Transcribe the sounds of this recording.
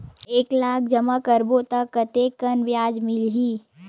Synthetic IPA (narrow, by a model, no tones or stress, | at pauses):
eːklaːk̚ʰd͡ʒəmakəɾboːt̪akːət̪ekənʋjaːd͡ʒmɪlɦiː